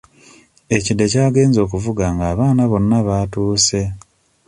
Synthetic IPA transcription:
e̞cidːe̞caːɡe̞ːnzo̞ːk̬uvuɡaŋɡaːβaːnaβo̞nːaβatuːse̞

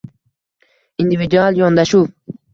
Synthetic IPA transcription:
ind̪ivid̪ualjɒnd̪aʃu

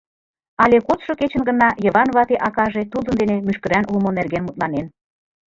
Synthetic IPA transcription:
ɑlʲekot̪ʃoket͡ɕə̆nɡə̆nɑjə̆βɑnβɑt̪eʔɑkɑʒet̪ud̪ənd̪enemyʃkə̆ɾænulmonerɣenmut̪̚lɑnen

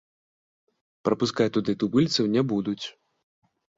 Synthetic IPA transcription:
pɾɐpuskat͡sʲt̪ud̪ɨt̪ubɨlʲt̪sɐwnʲɛbud̪ut͡sʲ

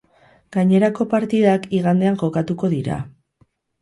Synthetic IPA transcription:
ɡ̥aɲe̞ɾako̞paɾt̪iðakiɣand̪e̞aŋʝo̞kat̪uko̞ðiɾa̰

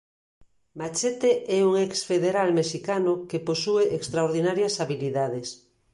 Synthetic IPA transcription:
mat͡ʃet̪eɛuŋɛksfeðeɾalmeʃikanokeposueʔekst̪ɾaoɾðinaɾjasaβiliðaðes

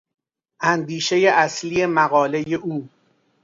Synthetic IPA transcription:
ʔænd̪iːʃejeʔæslije̞mæɣɒːle̞jeʔuː

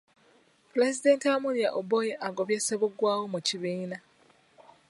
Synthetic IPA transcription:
puɾe̞zide̞ntamulja̰ʔobojeʔaɡoβjeseβuɡwaːwomuciβiːna

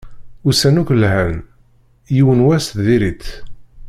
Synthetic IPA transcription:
usænukʷlɦæn | jiwənwæsðiɾit̪

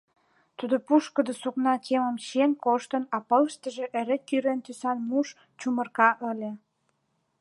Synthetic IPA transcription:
t̪ud̪opuʃkə̆d̪osuknɑkʰeməmɕenkoʃt̪ə̆nɑpɤləʃt̪əʒeʔeɾekyɾent̪ysɑnmuʃ | t͡ɕumə̆rkɑʔə̆lʲĕ

